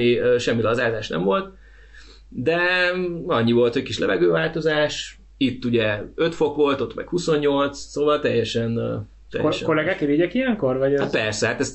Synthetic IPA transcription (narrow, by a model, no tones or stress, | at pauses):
iøːʃɛmːilɒzaːzaːʃnɛ̰mvo̞lt̪ | d̪ɛ | ɒɲːivo̞lt̪hockiʃlɛvɛɡøːvaːlt̪o̞zaːʃ | it̪ːuɟɛøt̪fo̞kʋo̞lt̪o̞t̪mɛ̰khuso̞ɲːo̞lt̪ssoːvɒlt̪ɛjːɛʃɛn | t̪ɛ̰jɛ̰ʃʃkolɛɡaːkeviɟɛkijɛŋkorvɒɟat̪̚pɛrsɛhat̪ɛst̪